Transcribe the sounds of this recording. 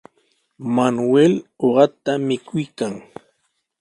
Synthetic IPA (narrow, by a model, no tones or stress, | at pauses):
manweloɢɑt̪amɪkʰʊjkaŋ